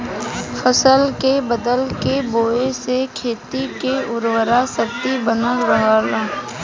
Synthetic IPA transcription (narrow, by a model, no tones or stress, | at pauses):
fʰəsəlkebəd̪əlkeboːesekʰeːt̪ikeʊɾwəɾasəɾt̪ibənəɾəɦaːlaː